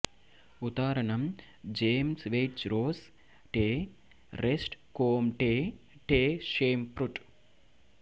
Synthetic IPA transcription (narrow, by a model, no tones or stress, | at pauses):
ut̪aːɾɐɳɐm | d͡ʒeːmsʋejʈt͡ʃɾoːs | ʈeː | ɾesʈkoːmʈeː | ʈeːʃeːmpɾuʈ